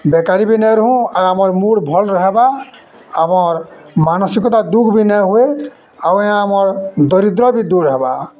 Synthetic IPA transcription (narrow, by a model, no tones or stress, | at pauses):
bɛkaɾibinaɾɔɦũaamɔɹmuɹbʱɔlɾɔɦɛba | amɔɹmanɔsikɔt̪ad̪uɡbinaɦue | awɛãːmɔɹd̪ɔɾid̪ɾɔbid̪uɾɔɦɛba̰